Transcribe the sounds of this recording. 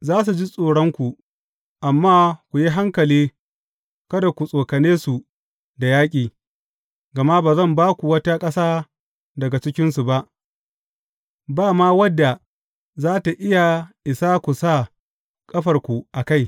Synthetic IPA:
zaː˦s̬u˨d͡ʒi˦sʼoː˨ɽɔ˦ŋkʷu˨ | ʔa˨mːaː˦kʷu˨ji˦ɦa˦ŋkɐ˨liː˦ | kɐ˦da˨kʷu˨sʼoː˨kɐ˨neː˦su˨ | da˨jaː˦kʲʼiː˨ | ɡɐ˨ma˦baː˨zɐ˦˨mbaː˦kʷu˨wɐ˦ta˦kʼɐ˦saː˦ | dɐ˨ɡa˨t͡ʃɪ˦kʲɪ˦nsu˨ba˦ʔ | baː˦˨maː˦wɐ˦dːa˨ | zaː˦ta˨ʔɪ˦ja˨ʔɪ˨saː˦kʷu˨sa˦˨ | kʼɐ˦ɸɐ˨rkʷu˨ʔa˨ka˦˨j

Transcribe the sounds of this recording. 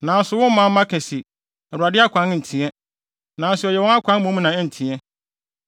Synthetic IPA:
nã˨n̩˦sʊ˨wʊ̃˦m˦mã˦m̩˦mã˦kʰɛ˨sɪ˨ | ɛ˨ɾʊ˨a˨dɪ˦a˦kʷʰã˦nn̩˨tʰĩ˨˦ɛ˦ | nã˨n˦sʊ˨ɔ˨jɛ˨wɔ̃˦ŋa˦kʷʰã˦n˦mõ˦m˦nã˨ɛ˦n̩˨tʰĩ˨ɛ˦

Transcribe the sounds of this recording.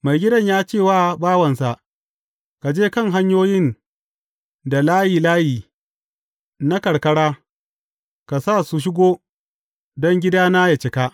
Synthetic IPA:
ma˨jɡʲɪ˦dɐ˦˨ɲjaː˦t͡ʃeː˦˨waː˦baː˦wɐ˨nsa˨ʔ | ka˨d͡ʒeː˦kɐ˦˨ŋɦa˦ɲjoː˦jɪ˦n | da˨laː˦jiː˨laː˦jiː˨ | na˦kɐ˨ɽkɐ˦ɽaː˦ | ka˨sa˦˨su˨ʃ̬ɪ˦ɡoː˦ | dɔ˦ŋɡʲɪ˦daː˦naː˦ja˨t͡ʃɪ˨ka˦

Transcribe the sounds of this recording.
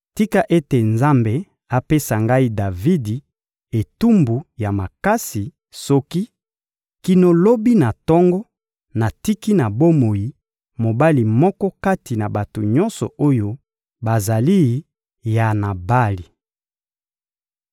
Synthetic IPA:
ti˦ka˨ʔe˦te˨nza˦mbe˨ | a˨pe˦sa˨ŋɡa˦i˦da˨vi˦di˨ | e˨tu˦mbu˨ja˨ma˨ka˦si˨ | sɔ˦ki˦ | ki˨no˨lo˦bi˦na˨tɔ˦ŋɡɔ˦ | na˨ti˦ki˦na˨bo˦mo˨ji˨ | mo˨ba˦li˨mɔ˦kɔ˦ka˦ti˨na˨ba˨to˨ɲɔ˦nsɔ̰˨o˦jo˦ | ba˨za˨li˦˨ | ja˨na˨ba˦li˨

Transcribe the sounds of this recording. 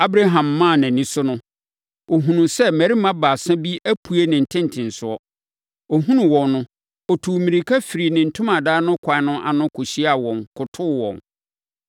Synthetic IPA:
a˦bɾa˦ɦã˨mːã˦˨nã˨nĩ˦sʊ˦nʊ̃˦ | o˨ɦũ˨nʊ̃˨sɛ˦mæ˨ɾi˦mã˦baː˨sã˦bi˦æ˦pʰu˨e˦nɪ̃˨n̩˨tʰɪ̃˦n˨tʰɪ̃˨n˨sʊ˨ɔ˦ | o˨ɦũ˦nʊ̃˨wɔ̃˨nːʊ̃˦ | ɔ˨tʰu˨mĩ˨ɾi˨kʰa˦fi˨ɾi˨nɪ̃˨n̩˨tʰʊ̃˦mã˨daː˦nʊ̃˦kʰa˨˦nʊ̃˦ʔa̰˨nʊ̃˦kʰʊ˨ɕi˦a˨wɔ̃˨ŋkʰʊ˨tʰʊ˦˨wɔ̰̃˨n

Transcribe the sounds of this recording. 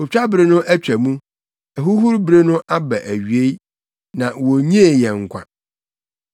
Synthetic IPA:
o˨t͡ɕᶣa˦bɾe˦nʊ̃˦ʔæ˦t͡ɕᶣæ˨mũ˦ | ɛ˨ɦu˦ɦu˦ɾbɾe˦nʊ̃˦ʔa˦bɛ˨ʔæ˨ɥɥe˦i˦ | nã˨wo˨ɲĩ˦e˨jɛ˨ŋ̩˨kʷʰa̰˨

